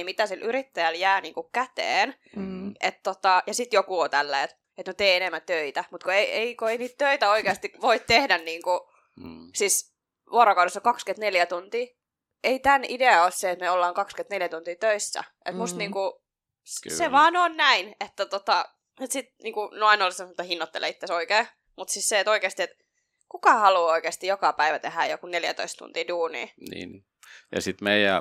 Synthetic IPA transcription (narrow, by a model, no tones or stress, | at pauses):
mit̪æsilʔyɾit̪ːæjæljæːniːŋkukkæt̪ḛːnʔet̪t̪ot̪ɑjɑsit̪jokuot̪ælːæiet̪ | et̪not̪eːenemːænt̪øit̪æmut̪koeʔeikoeiniːt̪t̪øit̪æoikeɑst̪iʋoit̪t̪ehdænniːŋku | sis | ʋuoɾokɑwɾesːɑkɑkskøt̪neljæt̪unt̪iː | eit̪ænideɑosseet̪meolːɑːŋkɑkskøt̪neljæt̪unt̪iːt̪øisːæ̰ʔḛt̪must̪niːŋku | seʋɑːnonnæinet̪ːæt̪ot̪ɑ | et̪sit̪̚niːŋkunoɑinolsemmt̪ːɑhinːot̪ːḛlːʔḛit̪ːesoikeː | mut̪sisseet̪oikeˑːst̪iet̪ | kukɑhɑluːoikeːst̪ijokɑpæiʋæt̪ehæjjokuneljæ̰t̪o̰ist̪t̪ṵnt̪iːduːnḭːnḭːn | jɑ̰sit̪meijæ̰